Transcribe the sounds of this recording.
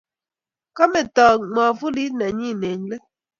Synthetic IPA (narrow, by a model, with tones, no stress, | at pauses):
kɔ˦me˨tɔː˨mɔː˨fu˦li˦nɛ˨ɲi˦˨ne˨ŋ˦le˦